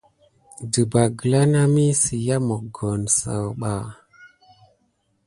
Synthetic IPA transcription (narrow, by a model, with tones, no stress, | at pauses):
də˨ba˨ɡə˨la˦na˦mi˦si˨ja˦mo˨ɡo˨nsa̰˨wɓa˨